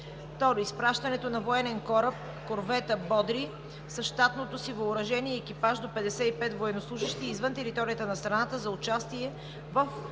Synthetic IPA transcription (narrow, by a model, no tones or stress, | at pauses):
t̪ɔɾispɾaʃt̪ɐnɛt̪onɐvoɛnɛnkɔɾəp̚ | koɾvɛt̪əbɔd̪ɾi | sɐʃt̪at̪not̪osivoʊɾɐʒɛniɛːkipaʒd̪opɛd̪ɛsɛipɛt̪voɛnoslˠuʒiʃt̪iːzvənt̪ɛɾit̪ɔɾijət̪ənɐst̪ɾɐnat̪əzɐʊt͡ʃast̪iɛ | vəf